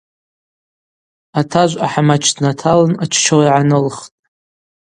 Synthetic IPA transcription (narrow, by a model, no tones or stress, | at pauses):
atʰaʒʷaħamat͡ʃʰdnatʰalanat͡ʃʰt͡ʃʰowiʕanɨlχtʼ